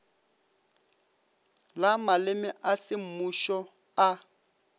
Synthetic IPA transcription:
lamalɪmɪʔasɪmuʃɔ | a

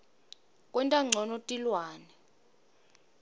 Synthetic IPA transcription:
kʼwɛntʼaŋ͡ǀʱɔnotʼilwaːnɛ

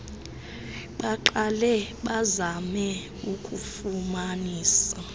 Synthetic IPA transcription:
ɓaǃalɛɓazamɛ | ukʼufumaniːsa

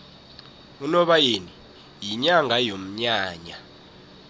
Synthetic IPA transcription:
unɔɓajeni | jiɲaŋʱajom̩ɲaːɲa

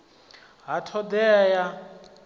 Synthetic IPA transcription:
ɦatʰɔd̪ɛja

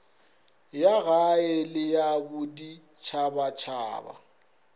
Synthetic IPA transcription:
jaɣaɪlɪjabʊdi | t͡ʃʰabat͡ʃʰa̰ːba̰

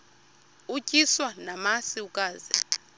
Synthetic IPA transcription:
ucʼiswanamasiukʼaːzɛ̰

